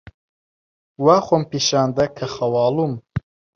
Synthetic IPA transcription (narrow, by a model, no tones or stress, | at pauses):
waːxompiːʃaːnd̪ɐkʰɐxɐwɑːlum